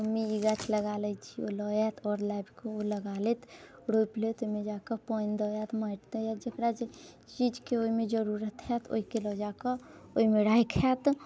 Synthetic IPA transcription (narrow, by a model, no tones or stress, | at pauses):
miiɡat͡ʃʰləɡalət͡ʃʰio̰lɔjat̪ʰɔːɾlajbkooləɡalet̪ɾojplet̪oimẽd͡ʒakəpɔnd̪ɔjat̪məʈd̪əjad͡ʒekɾat͡ʃ | t͡ʃid͡ʒkeoimed͡ʒəɾuɾət̪ɦɛt̪ʰo̰ikelɔd͡ʒakəoimeɽaːikʰɛt̪